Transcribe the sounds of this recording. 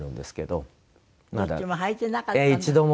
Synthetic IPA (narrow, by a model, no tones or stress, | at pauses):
ɾɯ̟̃nd̪esɨ̥ke̞d̪o̞̰ | mad̪a̰imoɦait̪ːenakaeit͡ɕid̪o̞m